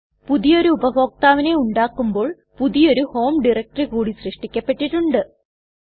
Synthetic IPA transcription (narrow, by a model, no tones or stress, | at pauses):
puðijo̞ɾuːbɐɦo̞ːk̚t̪aːʋine̞uɳɖaːkːumbo̞ːɭ | puðijo̞ɾuho̞ːmɖirɐk̚ʈrikuːɽisrɨʂʈikʲːɐpːe̞ʈːiʈːuɳɖɨ